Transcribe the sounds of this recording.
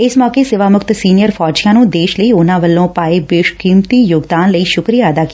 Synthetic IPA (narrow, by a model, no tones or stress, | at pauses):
ɪsmɔːkeːsɪʋaːmʊkt̪siːnɪjəɾpʰɔːd͡ʒijãːnũːd̪eːʃləiːʊnãːʋəlːõːpaːeːbɪʃkĩːmt̪iːjʊɡd̪aːnləiːʃʊkɾijaːəd̪aːkɪ̥ː